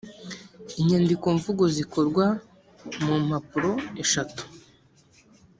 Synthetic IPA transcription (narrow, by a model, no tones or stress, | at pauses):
iɲendikoɱvuɡoziko̞ɾɡwa | mum̥hapuɾo̞eʃatu̥